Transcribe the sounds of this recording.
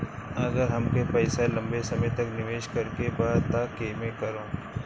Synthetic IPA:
ɐɡəɾɦɐmkepɛːselɐ̃mbesɐmət̪ɐknɪʋeːʃkɐɾkebaːt̪akeːmẽkɐɾõː

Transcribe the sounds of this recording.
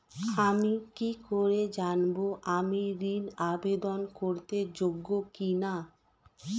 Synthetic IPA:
amikikoɾed͡ʑanboʔamiɾinabed̪onkoɾt̪ed͡ʑoɡːokina

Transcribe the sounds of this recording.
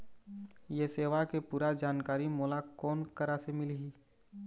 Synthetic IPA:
jeseːʋakepuːɾad͡ʒaːnkaːɾimoːlakɔːnkəɾasemɪliɦiː

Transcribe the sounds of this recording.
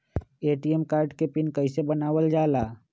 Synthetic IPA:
eːʈiemkaːɾɖkepɪnkəɪsebənaːʋəld͡ʒaːlaː

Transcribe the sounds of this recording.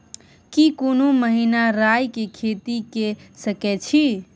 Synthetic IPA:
kikonoməɦinaɾajkekʰet̪ikesəkɛt͡ʃʰi

